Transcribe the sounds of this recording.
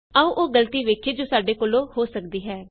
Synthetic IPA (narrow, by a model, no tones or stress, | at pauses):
əːũːʔoːɡələt̪iːʋeːkʰeːd͡ʒoːsaːɖeːkoːlõːhoːsəkd̪iːɦɛː